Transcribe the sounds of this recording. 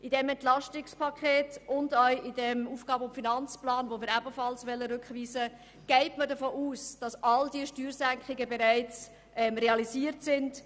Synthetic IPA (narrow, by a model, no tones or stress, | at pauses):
ʔidɛmɛntlɑʃtɪkspʰɑkʰχeːtʊndœʏidɛmuːfɡ̥ɑːbəʊmfinɑnt͡splɑːnvomɪːɾæbəfɑlsʋɛlːəɾʏkχʋiːsə | ɡ̥ɛɪtmədəfoːʔuːsd̥ɑsɑldiəʃtyːɾzæŋkχɪɡəbeɾæɪt͡s | ʔɛmɾeɑliziːəɾtsɪnd